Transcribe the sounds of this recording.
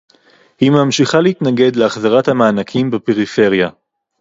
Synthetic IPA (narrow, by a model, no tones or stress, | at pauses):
himamʃiχaleit̪naɡe̞d̪leaχzaʁathamaːnakʰimbepe̞ʁife̞ʁja